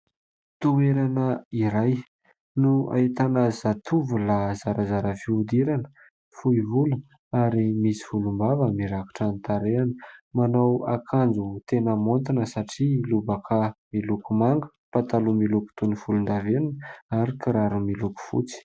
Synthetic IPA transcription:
t̪uweɾanəiɾaj | nua̰it̪anazat̪ʰuvulazaɾazaɾəfiud̪iɾanə̥ | fuivulu | aɾimisi̥fulumbavəmiɾaku̥ʈ͡ʂant̪aɾeanəmanawakʰand͡zut̪enəmont̪inəsaʈ͡ʂilubakʰamilukumaŋɡə̥pat̪alumiluku̥t̪unifulund̪aveninaɾikiɾaɾumiluku̥fṵt͡si̥

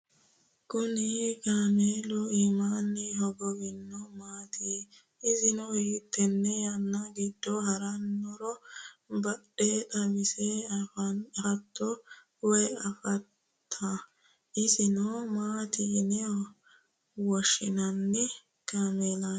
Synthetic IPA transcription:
kʊnɪkaːmeːlɔimaːnːɪɦɔɡɔbɪnːɔmaːt̪iː | ɪsɪnɔhiːt̪ʰːɛnːɛjɐnːɐɡɪd̪ːɔhɐɾɐnːɔɾɔbɐɗɛt̪ɐmɪsɛɐfɐnɐt̪ːɔ | wɛjɐfɐt̪ʰːɐ | ʔɪsɪnɔmaːt̪iːnɛɔ | wɔʃːɪnɐnːɛ | kaːmeːla

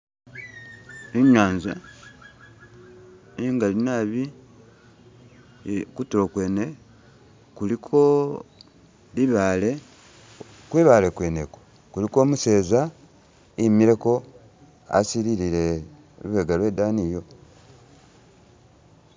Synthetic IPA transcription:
iɲaːnza̰ | iŋɡalinaβi | kutokwe̞ne | kulikʰo̞ | liβaːle̞ | kwiβalekweneko | kuliko̞ːmuse̞ːza | imiɾe̞ko̞ | a̰siɾiɾiɾe | βuβeɡalwe̞ːdaːniːjo̞

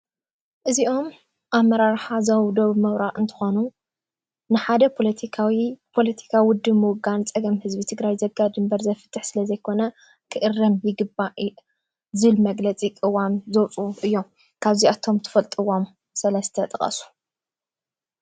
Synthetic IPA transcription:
ʔɨziʔo̞m | ʔaβmːɐɾaɾħazɐwd̪o̞βmɐwɾaʔʔɨnt̪ʰɨ̥xo̞nu | nɨħad̪ɐpʰolt̪ʰiwpʰo̞lɐt̪ʰi̥kʰawwʊd̪ːɨβmɨwʊɡant͡sʼɐɡɐmhɨzbit̪ʰɨɡɾajzɐɡːad̪ɨmbɐɾzɐfɨ̥t̪ʰːɨħsɨlɐzɐjkʰo̞nɐ | kʰɨʔɨrːɐmjɪɡɨbaʔ | zɨɨlmɐɡlɐt͡sʼikʼɨwamzowt͡sʼuʔɨjːo̞m | kʰaβziat̪ʰo̞mt̪ʰɨ̥fɐlt̪ʼɨwom | sɐlɐst̪ʰɐt̪ʼɐχʼɐ̰su̥

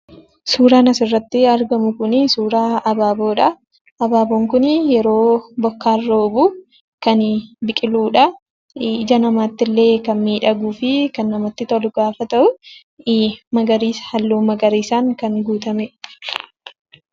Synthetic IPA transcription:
suːɾaːnɐsɪrːɐt̪ːɪɐɾɡɐmʊkʊnɪsuːɾaːɐbaːbo̞ːᶑɐ | ɐbaːboːŋkʊnjɛɾo̞ːbɔkːaːrːoːbʊ | kɐnbɪkʼɪluːᶑɐ | d͡ʒɐnɐmaːt̪ːɪlːe̞ːkɐnmiːᶑɐɡuːfɪkɐnːɐmɐt̪ːɪt̪ɔlʊɡ̥aːfɐt̪ɐʔʊ | mɐɡɐɾiːshɐlːuːmɐɡɐɾiːsaːŋkɐŋɡuːt̪ɐmɛ

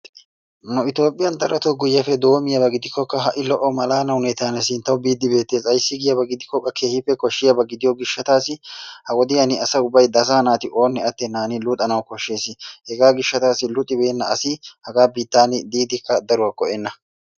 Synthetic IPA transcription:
nʊɪt̪o̞ːpʼːɪjɐnd̪ɐɾɐt̪ɔɡʊjːɐfɛd̪o̞ːmɪjɐbɐɡɪd̪ɪkːɔkːɐɦɐʔɪlɔʔɔmɐlaːnɐwnɛt̪aːnɛsɪnt̪ːɐwbiːd̪ːɪbe̞ːt̪ːeːsʼɐjsːɪɡɪjɐbɐɡɪd̪ɪkːɔkʼːɐkʰe̞ːhɪpːɛkɔʃːɪjɐbɐɡɪd̪ɪjɔɡɪʃːɐt̪aːsɪhɐwɔd̪ɪjɐnɪɐsɐʊbːɐjd̪ɐsanaːt̪ɪʔo̞ːnːɛɐt̪ːɛnaːnɪlʊt̪ʼɐnɐwkɔʃːe̞ːsɪhɛɡaːɡɪʃːɐt̪aːsɪlʊt̪ʼːɪbeːnːɐɐsɪhɐɡaːbiːt̪ːaːnɪd̪iːd̪ɪkːɐd̪ɐɾʊwɐkɔʔɛnːɐ

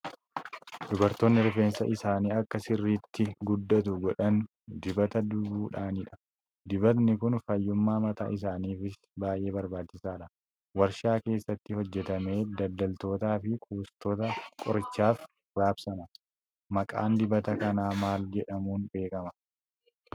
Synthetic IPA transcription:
d̪ʊbɐɾt̪oːnːɪɾfe̞ːnsɐʔɪsaːniːɐkːɐsɪrːiːt̪ːɪɡʊd̪ːɐt̪ʊɡɔᶑɐn | d̪ɪbɐt̪ɐd̪ʊbuːᶑaːnɪᶑɐ̥ | d̪ɪbɐt̪nɪkʊnfɐjːʊmːaːmɐt̪a̰ːʔɪs̬aːniːfɪs | baːjʔe̞ːbɐɾbaːt͡ʃːɪsaːᶑɐ | wɐɾʃaːke̞ːsːɐt̪ːɪhɔd͡ʒːɛt̪ɐme̞ːd̪ɐld̪ɐlt̪o̞ːt̪aːfɪkʰuːst̪oːt̪ɐkʼɔɾt͡ʃːaːf | ɾaːbsɐnɐ | mɐkʼa̰ːnd̪ɪbɐt̪ɐkɐnaːmaːld͡ʒɛᶑɐmuːnbe̞ːkɐmɐ̥

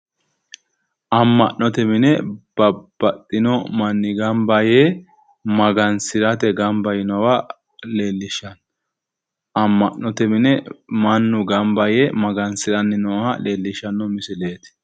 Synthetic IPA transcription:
ʔɐmːɐʔnnːɔt̪ɛmɪnɛb̥ɐb̥ɐt̪ʼːɪnɔmɐnːɪɡɐmbɐjeː | mɐɡɐnsɪɾɐt̪ɛɡɐmbɐjɪnɔwɐ | le̞ːlːɪʃːɐn | ɐmːɐnːɔt̪ɛmɪnɛmɐnːʊɡɐmbɐjemɐɡɐnsɪɾɐnːɪnɔhɐleːlːɪʃɐnːɔmɪsɪleːt̪

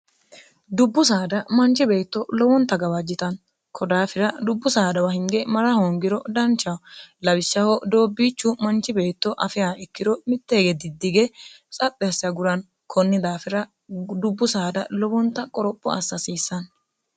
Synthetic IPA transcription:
d̪ʊbːʊs̬aːd̪ɐmɐnt͡ʃːɪbe̞ːt̪ːɔlɔwɔnt̪ːɐɡɐwɐd͡ʒːɪt̪ɐn | kʰɔd̪aːfɪɾɐd̪ʊbːʊsaːd̪ɐwɐhɪŋɡɛmɐɾɐhoŋɡɪɾɔd̪ɐnt͡ʃːɐwlɐwɪsːɐhɔd̪o̞ːbːiːt͡ʃːʊmɐnt͡ʃːɪbe̞ːt̪ːɔʔɐfɪjaːɛkːɪd̪ɔmɪt̪ːe̞ːɡɛd̪ɪd̪ːɪɡɛ | t͡sʼɐt̪ʼːɛsɪjɐɡʊɾɐn | kʰɔnːɪd̪aːfɪɾɐ | d̪ʊbːʊsaːd̪ɐ̰lɔwɔnt̪ːɐkʼɔɾɔpʼːɔɐ̰sːɐsiːsːɐn

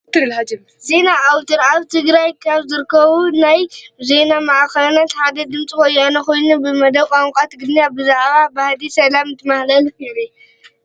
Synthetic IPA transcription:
t̪ʰːɨɨlħad͡ʒɪm | ze̞naʔawt̪ʰɨɾaβt̪ʰɨɡɾajkʰaβzɨɾkʰːɐβunajze̞namaʔakɐlnat̪ħad̪ɐd̪ɨmt͡sʼikʼojːanɐko̞jnubɨmɐd̪ɐβkʼaŋkʼat̪ɡɨnabɨzaʕβabahlisɐlamɨnt̪ʰɨmahlɐlfiɾe

